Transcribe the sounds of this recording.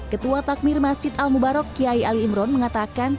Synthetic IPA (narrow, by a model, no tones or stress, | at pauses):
kət̪uat̪ak̚mɪrmasd͡ʒɪt̪almubaɾɔkːiaialiːmɾɔnməŋat̪akan